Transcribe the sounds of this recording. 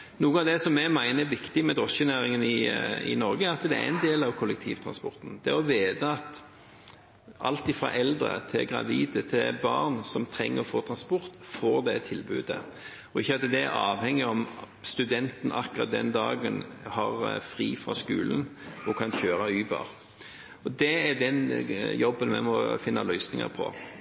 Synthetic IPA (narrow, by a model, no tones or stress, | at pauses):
nuːəɑʋd̪ɛsɔmːɛmæɪnəɛʋɪkt̪ɪmɛd̪ʁɔsçənæːɾɪŋənɪɪ̰nɔɾɡəæɾɑt̪d̪ɛæ̰ɪnd̪eːlɑʋkʰɔlːɛk̚t̪ʰḭːʋt̪ʰʁɑ̰nspɔɾt̪n̩d̪̥ɛɔʋeːd̪əɑt̪ | ʔɑlt̪ɪfʁɑ̰ʔɛld̪ɾə̰t̪ʰɪlɡʁɑ̰ʋiːd̪ət̪ʰɪbɑʁnsɔmt̪ʰɾɛŋːəfoːt̪ʰɾɑnspɔɾt̪foːɾd̪ɛt̪ʰːɪlbʉ̰ːd̪ə | ɔɪçːəɑt̪ːəd̪ɛæɾɑːʋhɛŋːɪɔm | st̪ʉd̪ɛnt̪nʔɑkːʊʁɑ̰t̪̚d̪ɛ̰nd̪ɑːɡənhɑʁfɾiːfɾɑ̰skʉːlənɔkʰɑnçøːɾɑyːbɑ̰ɾ | ɔd̪ɛːd̪ɛnjɔbːənmɛ̰mɔfɪnːɑlœʏsnɪŋɑ̰ɾpʰɔ̰